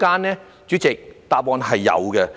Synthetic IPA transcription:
kaː˥nɛː˥ | t͡ʃyː˨˥t͡sɪ˨k̚t̪aː˧p̚pɔː˧nɦɐ˨jːɐ̰˨˧wɡɛ˧

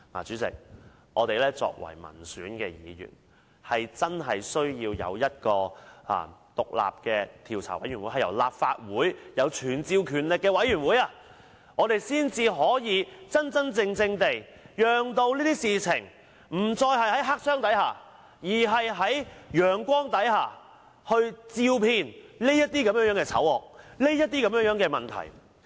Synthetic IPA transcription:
ŋaː˨t͡ʃyː˨˥t͡sɪ̰˨k̚ | ŋɔ̰ː˨˧t̪e˨jlɛː˥t͡sɔ̰ː˧k̚wɐ̰˨˩jmɐ̰˨˩nsyː˨˥nkɛː˧jiː˨˧jy̰ː˨˩n | hɐ˨jt͡sɐ˥nɦɐ˨jsɵ˥ɥjiː˧wjɐ̰˨˧wjɐ˥t̚kɔː˧ʔa̰ː˧t̪ʊ˨k̚la̰ː˨p̚kɛː˧t̪ʰiː˨˩wt͡sʰa̰˨˩wɐ̰˨˥jɥy˨˩nwu˨˥jhɐ˨jɐ̰˨˩wlaː˨p̚fa̰ː˧t̚wuː˨˥jjɐ˨˧wt͡ʃʰyː˨˩nt͡siː˧wkʰyː˨˩nlɪ˨kːɛː˧wɐ˨˥jɥyː˨˩nwuː˨˥jaː˧ | ŋɔː˨˧t̪e˨jsiː˥nt͡siː˧ɦɔː˨˥jiː˨˧t͡sɐ˥nt͡sɐ˥nt͡sɪ˧ŋt͡sɪ˧ŋt̪e˨j | jœː˨ŋt̪o˧wliː˥t̪iː˥siː˨t͡sʰɪ̰˨˩ŋ | m̩˨˩t͡sɔː˧jɦɐ˨jɦɐ˨˥jɦaː˥k̚sœː˥ŋt̪ɐ˨˥jhaː˨ | jiː˨˩ɦɐ˨jɦɐ˨˥jjœː˨ŋkʷɔː˥ŋt̪ɐ˨˥jhaː˨ | hɵ˧ɥt͡siː˧wpʰiː˧nliː˥jɐ˥t̚t̪iː˥kɐ˧˥mjœː˧˥ŋœː˨˥ŋkɛː˧t͡sʰɐ̰˨˥wɔ̰ː˨k̚le˥jɐ˥t̚t̪iː˥kɐ˧˥mjœː˧˥ŋjœː˨˥ŋkɛː˧mɐ˨nt̪ʰɐ̰˨˩j

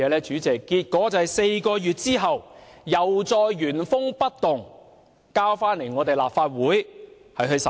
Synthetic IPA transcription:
ɛː˨˧lɛː˥t͡ʃyː˨˥t͡sɛː˨kːiː˧t̚kɔː˨˥t͡sɐ˨ɐ˨˩jse˧jkɔː˧jyː˨t̚t͡siː˥ɦɐ˨wjɐ˨wt͡sɔː˧jɥyː˨˩nfʊ˥ŋpɐ˥t̚t̪ʊ˨ŋ | kaː˥wfaː˥nle˨˩jŋɔː˨˧t̪e˨jla̰ː˨p̚faː˧t̚wuː˨˥j | hɐ˨jɦɵ˧ɥsɐ˨

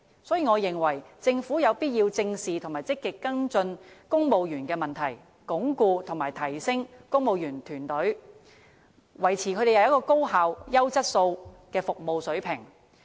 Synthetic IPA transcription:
sɔː˨˥jiː˨˩ŋɔː˨˧jɪ˨˩ŋwɐ˨˩jt͡sɪ˧ŋfuː˨˥jɐ˨˧wpiː˥t̚jiː˧wt͡sɪ˧ŋsiː˨t̪ʰʊ˨˩ŋmaː˨˩t͡sɪ˥kːɪ˨kːɐ˥ŋt͡sɵ˧nkʊ˥ŋmo˨˧wjyː˨˩nkɛː˧mɐ˨˩nt̪ʰɐ˨˩j | kʊ˨˥ŋkuː˧t̪ʰʊ˨˩ŋmaː˨˩jt̪ʰɐ˨˩jsɪ˥ŋkʊ˥ŋmo˨˧wjyː˨˩nt̪ʰyː˨˩nt̪ɵ˨˥ɥ | wɐ˨˩jt͡sʰiː˨˩kʰɵ˧d̪e˨jɐ˨˩jɐ˥kɔː˧ko˥wɦaː˨˧wjɐ˥wt͡sɐ˥t̚so˧wkɛː˧fʊ˨k̚mo˨wsɵ˨˥pʰɪ˨˩ŋ

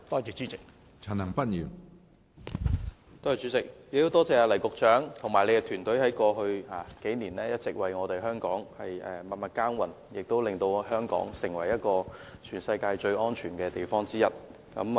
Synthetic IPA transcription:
t̪ɔː˥ji˨˩t͡ʃy˨˥t͡sɪ˨k̚ | t͡sʰɐ˨˩nɐ˨˩ŋpɐ˥t̚jyː˨˩n | t̪ɔː˥i˨˩t͡syː˨˥t͡sɪ˨k̚jk̚t̪o˥wt̪ɔː˥t͡sɛː˨˧aː˧lɐ˨˩jkʊ˨k̚t͡ʃœː˨˥ŋt̪ʰʊ˨˩ŋmaː˨˩jle˨˧jkɛ˧t̪ʰyː˨˩nt̪ɵ˨˥ɥhɐ˨˥jkɔː˧ɦɵ˧ɥaː˨˩ke˨˥jniː˨˩nlɛː˥jɐ˥t̚t͡sɪ˨k̚wɐ˨jŋɔː˨˧t̪e˨jɦœː˥ŋkɔː˨˥ŋhɐ˨jɛː˨˧mɐ˨t̚mɐ˨˧t̚kaː˥nwɐ˨˩n | jɪ˨k̚t̪o˥wlɪ˨ŋt̪o˧wɦœː˥ŋkɔ̰ː˨˥ŋsɪ˨˩ŋwɐ̰˨˩jjɐ˥t̚kɔː˧t͡ʃʰyː˨˩nsɐ˧jkaː˧jt͡ʃɵ˧ɥɔː˥nt͡ʃʰyː˨˩nkɛː˧t̪e˨jfɔː˥ŋt͡siː˥jɐ˥t̚ | kɐ̰˨˥m

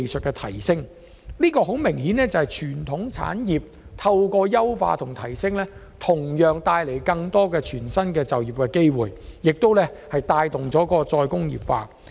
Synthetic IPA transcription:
jsɵ˨t̚kɛː˧t̪ʰɐ˨˩jsɪ˥ŋ | liː˥kɔː˧ɦo˨˥wmɪ˨˩ŋhiː˨˥nɛː˥t͡sɐ˨˧hɐ˨˩jt͡ʃʰyː˨˩nt̪ʰʊ˨˥ŋt͡sʰa̰ː˨˥njiː˨p̚ | t̪ʰɐ˧wkɔː˧jɐ˥wfa̰ː˧t̪ʰʊ˨˩ŋt̪ʰɐ˨˩jsɪ˥ŋlɛː˥ | t̪ʰʊ˨˩ŋjœː˨ŋt̪aː˧jle˨˩jkɐ˧ŋt̪ɔː˥kɛː˧t͡ʃʰyː˨˩nsɐ˥nkɛː˧t͡sɐ˨wjiː˨p̚kɛː˧ke˥jwuː˨˩jjɪ˨k̚t̪o˥wlɛː˥hɐ˨jt̪aː˧jt̪ʊ˨ŋt͡sɔː˨˥kɔː˧t͡sɔː˧jkʊ˥ŋjḭː˨p̚fa̰ː˧

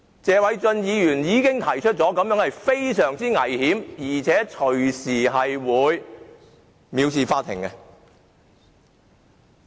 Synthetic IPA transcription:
t͡sɛː˨˧wɐ˨˥jt͡sɵ˧njiː˨˧jyː˨˩njiː˨˧kɪ˥ŋt̪ʰɐ˨˩jt͡ʃʰɵ˥t̚t͡sɔː˨˥kɐ˨˧mjœː˨˥hɐ˨jfe˥jsœː˨˩ŋt͡siː˥ŋɐ˨˩jhiː˨˥mjiː˨˩t͡sʰɛː˨˥t͡ʃʰɵ˨˩ɥsiː˨˩ɦɐ˨jwuː˨˧j | miː˨˧wsiː˨˧faː˧˥t̪ʰɪ̰˨˩ŋkɛ˧

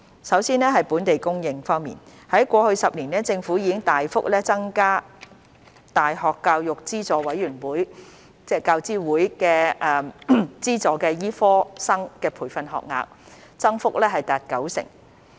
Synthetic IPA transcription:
sɐ˨˥wsiː˥nɛː˥ɦɐ˨jpuː˨˥nt̪e˨jkʊ˥ŋjɪ˧ŋfɔː˥ŋmḭː˨nhɐ˨˥jkʷɔː˧hɵ˧ɥsɐ˨p̚liː˨˩nɛː˥t͡sɪ˧ŋfuː˨˥jiː˨˧kɪ˥ŋt̪aː˨jfʊ˥k̚lɛː˥t͡sɐ˥ŋkaː˥ | t̪aː˨˩jhɔː˨˩kːaː˧wjʊ˨k̚t͡siː˥t͡sɔː˨wɐ˨˥jyː˨˩nwuː˨˥j | t͡sɛː˥kaː˧wt͡siː˥wuː˨˥jkɛː˧ɛ˨˧t͡siː˥t͡sɔː˨˧kɛː˧jiː˥fɔː˥sɐ˥ŋkɛː˧pʰuː˨˩jfɐ˧nɦɔ̰ː˨k̚ŋa̰ː˧k̚ | t͡sɐ˥ŋfʊ˥k̚lɛː˥ɦɐ˨jt̪aː˨˩t̚kɐ˨˥wsɪ̰˨˩ŋ

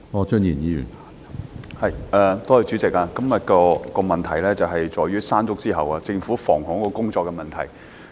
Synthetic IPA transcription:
ŋɔː˨˧t͡ʃœ˥njiː˨˩njiː˨˧˥jy̰˨˩nha˨ | hɐ˨jɛː˧t̪oː˥hɐ˨˧t͡ʃyː˨˥t͡sɪ˨k̚aː˧kɐ˥mjɐ˨t̚kɔː˧kɔː˧mɐ˨nt̪ʰɐ˨˩jlɛː˥t͡sɐ˨wɦɐ˨jt͡ʃɔː˨jyː˥saː˥nt͡sʊ˥k̚t͡siː˥ɦɐ˨waː˧t͡sɪ˧ŋfuː˨˥fɔ̰ː˨˩ŋhɔ˨˥ŋkɔː˧kʊ˥ŋt͡sɔː˧kːɛ˧mɐ˨nt̪ʰɐ̰˨˩j

